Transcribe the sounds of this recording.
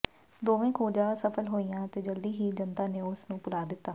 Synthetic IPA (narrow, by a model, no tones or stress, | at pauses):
d̪oːʋẽːkʰoːd͡ʒaːsəpʰəlɦoːijãːt̪eːd͡ʒəld̪iːɦiːd͡ʒənt̪aːneːʊsnũːpʊlaːd̪ɪt̪ːaː